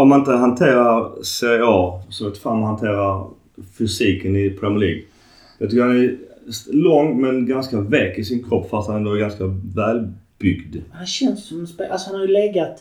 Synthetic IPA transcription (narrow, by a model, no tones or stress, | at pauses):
ɔmhanɪnt̪əɦant̪ʰeːɾaɾseɪɑːsɔɔt̪ːfamːɔhant̪ʰeːɾaɾ | fʏsiːkənɪpʰɾɛməlḭːɡ | jɑːt̪ʏkːəɾhanɛslɔŋːmɛnɡanskavɛkːɪsɪnkʰɾɔpːfast̪hanɛnd̪oɔæɾɡanskavæːlbʏɡd̪hanɕɛnssɔmɛnspeʔasɔhanhaɾjʉlɛɡat̪